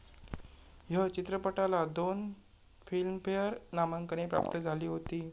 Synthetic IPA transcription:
jət͡ɕit̪ɾəpəʈalad̪on | filmfejəɾnaməŋkəɽ̃epɾa̰p̚t̪əd͡zʱaliːɦot̪iː

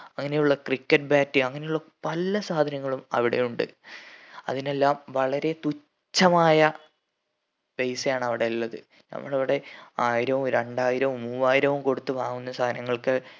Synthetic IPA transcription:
ɐŋːɐne̞juɭːɐkrikːɐʈ̚baːtːɨɐŋːɐnejuɭːɐpɐlːɐsaːd̪ʱɐnɐŋːɐɭumɐ̰ʋiɽe̞̰juɳɖɨ̰ | ɐ̰ðine̞lːaːmʋɐɭɐɾe̞t̪u | t͡ɕːɐmaːjɐ | bejsjaːɳɐʋiɽe̞lːɐðɨ̰ | nɐ̰mːɐɭɐʋiɽe̞aːjiɾɐʋumɾe̞ɳɖaːjiɾɐʋumːuːaːjiɾɐʋumko̞ɽut̪ːɨʋaːŋunːɐsaːd̪ʱɐnɐŋːɐɭkɨ

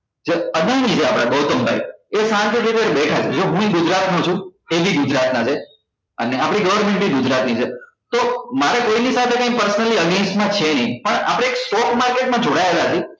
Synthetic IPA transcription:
d͡ʒeəɡənit͡ʃʰeapɽ̃aɡoɦt̪ombʱa̰jesãŋk̪it̪it̪eɾbɛʈʰat͡ʃʰed͡ʒoɦũiɡʊd͡ʒɾat̪nõt͡ʃʰũeʋiɡʊd͡ʒɾat̪nad͡ʒʰe | ə̰neapɽ̃iɡəʋəɾmẽɳʈbʱiɡʊd͡ʒɾat̪nit͡ʃʰe | t̪omaɾekoinisat̪ʰekãĩk̚pəɾsənəliəɡensʈmãt͡ʃʰenəĩpəɳa̰pɽ̃eːksʈɔkmaɾkeʈmãd͡ʒoɽaelat͡ʃʰi

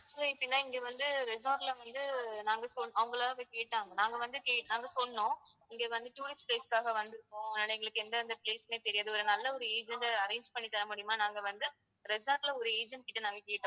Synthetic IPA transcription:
sɐɪpːɐɽɪnːaːɪŋɡeʋɐnd̪ɯɾɛsaːʈlɐʋɐnd̪ɯnaːŋɡɐsɔl̃ːɐʋʊŋɡɐɭaːɣekeːʈːaːŋɡɐnaːŋɡɐʋɐnd̪ɯkeːnaːŋɡɐsɔlɐnõ | ɪŋɡeːʋɐnd̪ɯʈjuːɾɪsʈpleːskaːɣɐʋɐnd̪ɯɾɯkːʊ̃nɪlɐɡɐɭɯkːɯɛnd̪ɐɪnd̪ɐpleːsmeːt̪ɛɾɪjaːðɯɔɾɯnɐlːɐɔɾɯeːd͡ʒɐnɖɐɾeːɲd͡ʒpɐɳːit̪ːɐɾɐmuːɽɪjɯmaːnaːŋɡɐʋɐnd̪ɯ | ɾɛsaːʈlɐɔɾɯeːd͡ʒɐnɖ̚kɪʈːɯnaːŋɡɐkeːʈːõ

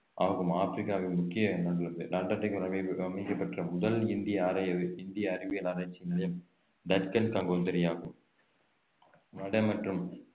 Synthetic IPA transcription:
ʔaːɣɯmaːfɾɪkːaːʋɪnmʊkːɪjɐnɐɽɯlɯnd̪ɯnaːʈːaʈːɐɪkːɐɾɐɐmɪkːɐpːɐʈrɐmʊðɐlɪnd̪ɪjɐɾɐɪnd̪ɪjɐːɾɪʋɪjɐlaːɾɐːɪt͡ʃːinɐlɐjɐm | d̪ɐɾkɐnkɐŋɡoːt̪ɐɾɪjaːɣɯm | nɐɽɐmɐʈrɯm

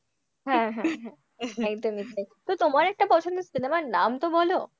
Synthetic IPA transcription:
ɦɛ̃ɦɛ̃ɦɛ̃ | ɛkd̪omit̪et̪ot̪omaɾɛk̚ʈapɔt͡ɕʰond̪osinemaɾnamt̪obɔlo

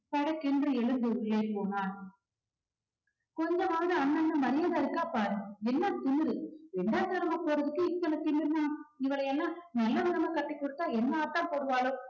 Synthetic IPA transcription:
pɐɽɐkːɛndrɯɛɭɯnd̪ɯʊɭːeːɾpoːnaːn | kɔɲd͡ʒɐmaːɾɯɐɳːɐnːɯmɐɾɪjaːðaɪɾɯkːaːpaːɾɯɛnːɐt̪ɪnɯɾɯɛɳɖaːt̪ɐɾɐmɐpoːɾɐðɯkːɯɪt̪ːɐlɐt̪ɪɳɯɾɯnaːɪʋɐɭɐjɛlːãːnɐlːɐʋɪðɐmɐkɐʈːɪkːɔɽɯt̪ːaːɛnːɐaːt̪ːãːpoːɽɯʋaːlɯ

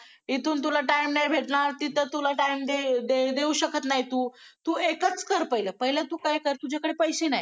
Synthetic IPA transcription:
it̪uːnt̪ulaʈaimnabʱeʈɳaɾt̪it̪ət̪ulaʈaimd̪ed̪ed̪euɕəkət̪najt̪uːt̪uekət͡skəɾpəjləpəɦilat̪uːkajkəɾt̪ud͡ʑakəɽepəjɕenaɦj

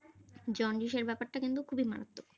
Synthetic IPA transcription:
d͡ʑɔnɖiʃeɾbɛpaɾʈakint̪̬ukʰubima̰ɾat̪ːo

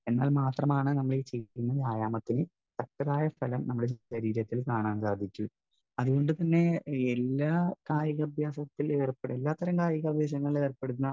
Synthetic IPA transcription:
e̞nːaːlmaːt̪rɐmaːɳɨnɐmːɐɭet͡ɕe̞junːɐðaːjaːmɐt̪ːinɨ | sɐk̚ʈɐɾaːjɐfɐlɐmnɐmːuɽeɐɾiːɾɐt̪ːilkaːɳaːnsaːd̪ʱikʲːu | ɐðuɣo̞ɳɖɨt̪ɐnːe̞elːaːkaːjɐɣɐbʱjaːsɐt̪ːileːrpːeɽelːaːt̪ːɐɾɐmkaːjɐɣɐbʱjaːɕ̬ɐŋːɐɭilerpːe̞ɽunːɐ

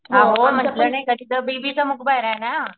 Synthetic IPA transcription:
ɦãɦom̤ənt̪lənəkəd̪iːt̪əbibiːt͡səmukʰbajɾaɦena

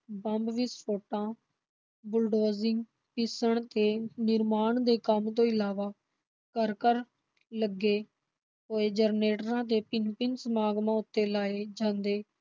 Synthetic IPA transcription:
bə̃mbʋɪspʰoːʈãː | bʊlɖoːzɪŋɡ | pɪsəɳt̪eːnɪɾmaːɳd̪eːkəmt̪̬õːɪlaːʋaː | kəɾkəɾ | ləɡːeː | ɦoːeːd͡ʒəɾneːʈɾãːd̪eːpɪnpɪnsəmaːɡmãːʊt̪ːeːlaːeːd͡ʒãːnd̪eː

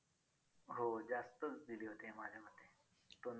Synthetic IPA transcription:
ɦod͡zast̪ət͡sd̪ileɦot̪eɦɛ̃mad͡ʑʱeməd̪ʱːe | t̪on

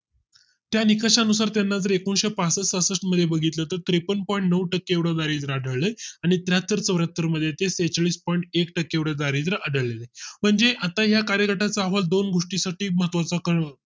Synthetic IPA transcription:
t̪janikəʂanusaɾt̪janːad͡zəɾekonɕepasəsəsəʂʈməd̪ʱːjebəɡʱit̪lət̪əɾt̪ɾipənpɔiɳʈnəʋʈəkːeewɽəd̪aɾiːd͡z̪ɾaːɖ̤ʱəɭləaɽ̃it̪jat̪əɾt͡səʋɾət̪ːəɾməd̪ʱːjet̪eset͡sɭiːspɔiɳʈekʈəkːeewɽad̪aɾid͡z̪ɾaʔəɖ̤ʱəɭlelem̤əɳd͡zeʔat̪aɦjakaɾjəkəʈat͡saːʋald̪onɡoʂʈisaʈiːməɦət̪ʋat͡sakəɳ

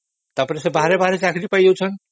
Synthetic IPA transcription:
t̪aɾpɔɾeʃebaɦaɾebaɦaɾet͡ɕakɾipajowt͡ɕʰon

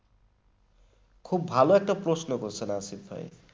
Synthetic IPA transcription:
kʰubːʱaloek̚ʈaprosnʌkosʰʌnasiʌ̰j̰

